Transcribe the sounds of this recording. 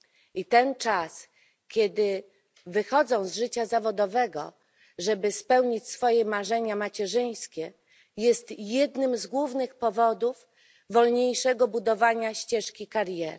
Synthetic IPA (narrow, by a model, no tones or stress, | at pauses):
ʔit̪ɛnt͡ʂas | kʲɛd̪ɘ | vɘxɔd̪zɔ̃w̃zʐɘt͡ɕazavɔd̪ɔvɛɡɔ̰ | ʐɛbɘspɛwɲit͡ɕsfɔjɛmaʐɛɲamat͡ɕɛʐɘj̃skʲɛ | jɛst̪jɛd̪nɘmzɡwuvnɘxpɔvɔd̪uvː | ɔlɲejʂɛɡɔbud̪ɔvaɲaɕt͡ɕɛʂkʲikaɾjɛɾ